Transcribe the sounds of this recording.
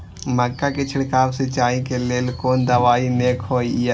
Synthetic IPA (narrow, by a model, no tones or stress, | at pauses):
məkːaket͡ʃʰɪɽkaːɾset͡ʃaːikeleːlkoːnd̪əʋaːineːkʰhoːia